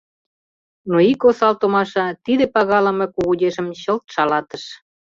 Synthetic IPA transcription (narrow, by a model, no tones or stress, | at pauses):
noikosɑlt̪omɑʃɑt̪id̪ĕpɑɣɑlə̆mĕkuɣudʲeʃə̆mɕəlt̪ʃɑlɑt̪əʃ